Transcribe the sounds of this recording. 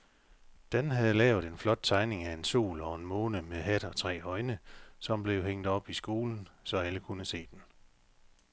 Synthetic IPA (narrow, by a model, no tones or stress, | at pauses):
d̥enɦæð̞̩ˠlɛːʊð̞̩ˠe̝nflɒ̽d̥̚t͡sʰɑ̈ɪne̝ŋæe̝nso̝̰ːlɒ̽e̝nmo̽ːnəmeɦæd̥ɒ̽t͡sʰʁɛ̰ːɒ̽ɪnəsɒ̽mb̥le̝ʊɦeŋ̰d̥ɒ̽b̥isɡ̥o̝ːln̩sɒ̽æləkʰunəse̝̰ːd̥en